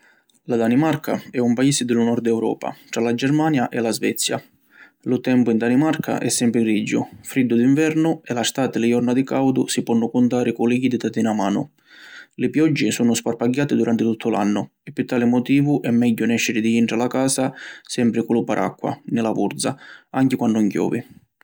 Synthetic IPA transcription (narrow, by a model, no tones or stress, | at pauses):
lad̪animarkʰa̰ɛumpaiːsɪd̪ɪlʊnɔɾd̪ɛwɾɔ̰ːpa̰t̪ɾalad͡ʒɛɾmaːnjaʔɛlazvɛ̰t̪sːja̰ | lʊt̪ɛmpʊind̪animarkʰa̰ʔɛsːɛmpɾɪɡɾid͡ʒːʊ̰fɾid̪ːʊd̪iɱvɛɾnʊɛlast̪aːt̪ɪlɪjɔrnad̪ɪkawd̪ʊsipɔnːʊkʊnt̪aːɾɪkʊliɡid̪it̪at̪inamaːnʊ̰ | lɪpjɔd͡ʒːɪsuːnʊsparpaɟːaːt̪ɪd̪uɾant̪ɪt̪ut̪ːʊla̰nːʊ | ɛpːɪt̪ːaːlɪmɔt̪iːvʊʔɛmːɛɟːʊnɛʃːɪɾɪd̪iiɳʈɾalakaːsasɛmpɾɪkulupaɾʔa̰kːa̰nɪlavṵɾd̪za̰aŋkɪkwanːʊŋcjɔ̰ːvḭ